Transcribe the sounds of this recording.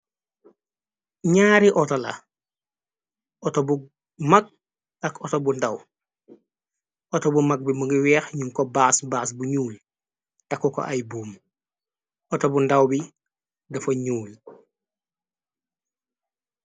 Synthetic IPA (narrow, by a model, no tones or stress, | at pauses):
ɲaːɾiʔɔtɔlɐ̰ | ʔɔtɔbu | mɐk̚ | ɐkɔtɔbundɐw | ʔɔtɔbumɐk̚bimuɡiwɛːxɲuŋkɔbaːsbaːsbuɲuːl | tɐkːukɔ̰ʔɐjbuːm | ɔtɔbundɐwbi | dɐfɐɲuːl